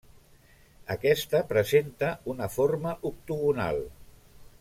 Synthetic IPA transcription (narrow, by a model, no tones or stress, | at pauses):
ə̰kɛst̪əpɾəzent̪əunəfoɾməʔuk̚t̪uɣuna̰lˠ